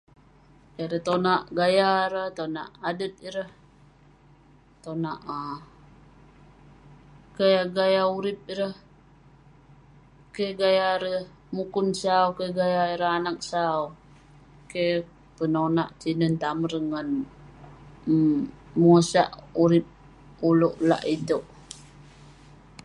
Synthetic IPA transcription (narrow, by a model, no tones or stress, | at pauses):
keɾət̪onaʔɡajaɾəht̪ona̰ʔadət̪̚iɾəh | t̪onaʔə | kajaɡajauɾɪp̚iɾəh | keɡajaɾəh | mukʊnsawkeɡajaiɾəhanak̚saw | ke | pənonaʔt͡ʃinənt̪amərŋən | musa̰ʔuɾɪp̚ | uloʔla̰ʔit̪oʔ